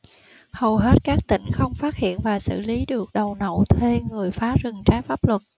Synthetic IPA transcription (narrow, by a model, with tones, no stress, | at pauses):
hə˨˩wɦe˦˥t̚kaː˦˥k̚t̪ḭ̈˧˩ŋ̟xə˧wŋ͡mfaː˦˥t̚hḭ˧˨ənvaː˨˩sɨ̰˧˨li˨˦ɗɨ˨˩ək̚ɗə˨˩wnə̰˧˨wt̪ʰe˧ŋɨ˨˩əjfaː˨˦zɨ˨˩ŋt͡ɕaː˨˦jfaː˦˥p̚lwə˨˩t̚